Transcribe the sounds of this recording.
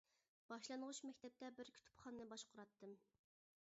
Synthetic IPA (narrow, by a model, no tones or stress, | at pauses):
b̥ɑʃlˠɑnʁʊʃmɛkʲt̪ʰɛp̚t̪ɛbɪɾkʲʰy̥t̪ʰy̥pχɑnnɨbɑʃqʰʊɾɑt̪ʰːɨm